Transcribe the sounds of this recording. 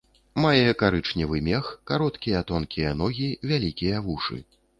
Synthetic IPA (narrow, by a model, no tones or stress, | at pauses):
majɛkaɾɨt͡ʂnʲivɨmʲɛxkaɾɔt̪kʲijɐt̪ɔnkʲijɐnɔɣʲivʲalʲikʲijɐvuʂɨ̰